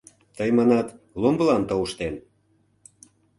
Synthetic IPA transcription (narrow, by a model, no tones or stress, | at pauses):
t̪əjmɑnɑt̪ | lombəlɑnt̪ouʃt̪en